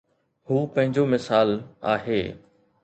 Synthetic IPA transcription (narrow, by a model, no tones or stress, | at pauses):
huːpɐ̃ɦɪ̃ɲd͡ʑomɪsaːla̰ːɦeː